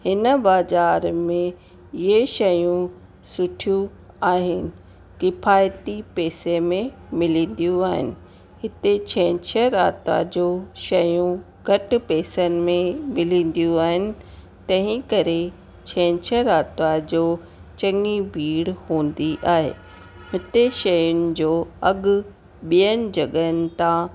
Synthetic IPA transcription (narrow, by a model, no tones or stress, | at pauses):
hɪnəbaːzaːɾmẽ | eʃɐjũ | sʊʈʰijũ | aːɦɪnɪ̆ | kɪfaːjt̪ipɛːsemẽ | mɪlĩːn̆d̪ijũaːɦɪnɪ̆ | ɦɪt̪et͡ɕʰɛ̃ːt͡ɕʰəɾaːt̪a̰d͡ʑoːʃɐjũ | ɡʱɐʈ̆pɛːsənɪ̆mẽmɪlĩːn̆d̪ijũaːɦɪnɪ̆ | t̪ɐ̃ɦɪ̃kɐɾe | t͡ɕʰɛ̃ːt͡ɕʰəɾaːt̪ʋad͡ʑoː | t͡ɕɐ̃ŋibʱiːɽhũːnd̪iʔaːɦḛː | ɦɪt̪eʃɐjʊnɪ̆d͡ʑoːɐɠʊ | ɓijənɪ̆d͡ʑɐɠəənɪ̆t̪ã